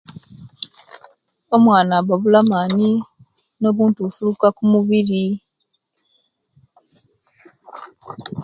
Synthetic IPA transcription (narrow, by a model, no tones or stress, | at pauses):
o̞mwaːnaβaβulamani | no̞ːβuːntuufulukakumuβiɾi